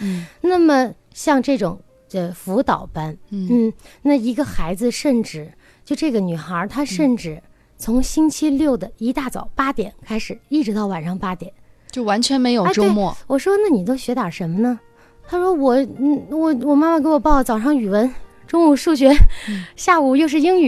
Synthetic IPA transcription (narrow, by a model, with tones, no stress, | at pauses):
na˥˩mə˩ | ɕjɑ˥˧ŋʈ͡ʂɤ˥˩ʈ͡ʂʊ˨˩˦ŋ | ə˧fu˧˥t̪ɑ˨˩ʊpa˥n˥˩n̩˥˩na˥˩i˧˥ɡə˧xa˧˥ɪd͡zɹ̩˧ʂə˥˧nʈ͡ʂɻ̩˥˩ | t͡ɕjo˥˧ʊʈ͡ʂɤ˥˩ɡə˩ny˨˩xə˧˥t̪ʰa˥ʂə˥˧nʈ͡ʂɻ̩˥˩ | t͡sʰʊ˧˥ŋɕi˥nt͡ɕʰi˥ljo˥˩ʊd̪ə˩i˧˥t̪a˥˩t͡sɑ̰˨˩ʊpa˥t̪jɛ˨˩˦nkʰa˥ɪʂɻ̩˨˩˦i˥˩ʈ͡ʂɻ̩˧˥t̪ɑ˥˩ʊwa˨˩nʂɑ˥˩ŋpa˥t̪jɛ̰˨˩˦nt͡ɕjo˥˩ʊwa˧˥nt͡ɕʰɥɛ˧˥nme˧˥ɪjo˨˩˥ʈ͡ʂo˥ʊ˥mwɔ˥˩wɔ˨˩ʂwɔ˥na˥˩ni˨˩t̪o˥ʊɕɥɛ˧˥t̪a˨˩ʂə˧˥nmə˧nə˧ | t̪ʰa˥ʂwɔ˥wɔ˨˩˥wɔ˨˩wɔ˨˩ma˥˩ma˨˩ke˧˥wɔ˨˩pɑ˥˩ʊə˩t͡sɑ˨˩ʊʂɑ˥˩ŋy˨˩wə˧˥n | ʈ͡ʂʊ˥ŋu˧˥˩ʂu˥˩ɕ̬ɥɛ˧˥ɕja˥˩u˨˩jo˥˧ʊʂ̬ɻ̩˥˩i˥ŋy˨˩